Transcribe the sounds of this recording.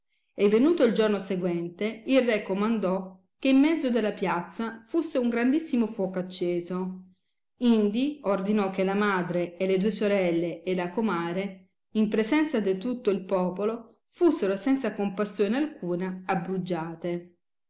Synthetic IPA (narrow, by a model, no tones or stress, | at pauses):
evːenuːt̪oild͡ʒornoseɡwɛnt̪eilrɛkːomand̪ɔ | k̟ːeimːɛd̪zːod̪elːapjat̪sːafusːeuŋɡɾand̪isːimofwɔːkoat͡ʃːeːzo | ind̪iord̪inɔk̟ːelamaːd̪ɾeːled̪uːesoɾɛlːeːlakomaːɾe | impɾezɛnt̪sad̪it̪ut̪ːoilpɔːpolo | fusːeɾosɛnt̪sakompasːjoːnealkuːnaːbɾud͡ʒːaːt̪e